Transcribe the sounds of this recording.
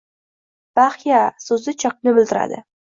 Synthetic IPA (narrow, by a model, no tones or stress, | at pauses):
b̥aχjasɵzɪt͡ʃʰɑq̚nɪbɪld̪ɪɾa̰d̪ɪ̰